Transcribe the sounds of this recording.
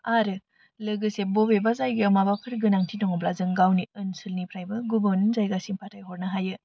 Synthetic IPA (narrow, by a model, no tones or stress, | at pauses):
aɾɯ | lɐɡɯsebobebazajɡiamabakʰɯɾɡɯnaŋtʰinoŋɯblazɯŋɡawniɯnsɯlnipʰɾajbɐɡubɯnnzajɡasiŋpʰatʰajɦɔɾnɐɦajɯ